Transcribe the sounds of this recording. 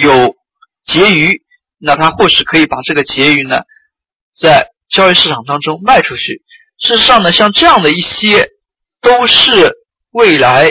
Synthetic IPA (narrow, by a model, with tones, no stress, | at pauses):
jo˨˩ʊ | t͡ɕjɛ˧˥y˧˥ | na˥˩t̪ʰa˥xwɔ˥˩ʂ̩˨˩kʰɤ˧˥i˧˥pa˨˩ʈ͡ʂɤ˥˩ɡə˩t͡ɕjɛ˧˥y˧˥nə̰˧ | t͡sa˥˩ɪ | t͡ɕjɑ˥ʊy˧ʂɻ̩˥˩ʈ͡ʂʰɑ˨˩ŋt̪ɑ˥ŋʈ͡ʂʊ˥ŋma˥˩ɪʈ͡ʂʰu˥t͡ɕʰy˥˩ | ʂɻ̩˥˩ʂɻ̩˧ʂɑ˥˩ŋnə˩ɕjɑ˥˧ŋʈ͡ʂɤ˥˧jɑ˥˩ŋd̪ə˩i˥˩ɕjɛ˥ | t̪o˥ʊʂɻ̩˥˧ | we˥˩ɪla˧˥ɪ